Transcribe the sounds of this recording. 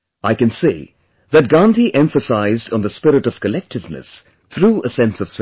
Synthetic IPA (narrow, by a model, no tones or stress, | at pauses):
aɪkɨ̃nsḭ | ðɨt̚ɡɑ̃nt̪ʰiʔɛ̃ɱfəsaɪzdn̩ðəspɪɾɨtʌv̥kəlɛk̚tɨvnɨ̰s | t̪ʰɾuːəsɛ̃nsʌv̥s